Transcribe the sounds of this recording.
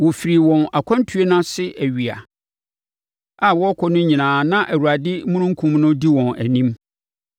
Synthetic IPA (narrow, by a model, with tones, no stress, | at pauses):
wɔ˨fi˨ɾi˨wɔ̃˨na˨kʷʰã˦n˦tʰu˦e˦nã˦sɪ˦ʔæ˨ɥi˨a̰˨ | a˨wɔ˦kʰɔ˦nʊ̃˦ɲĩ˨nãː˨nã˦ʔæ˨wu˨a˨dɪ˦mũ˦nʊ̃˦ŋ˦kʰũ˦mnʊ̃˦di˦wɔ̃˨næ˨nĩ˦m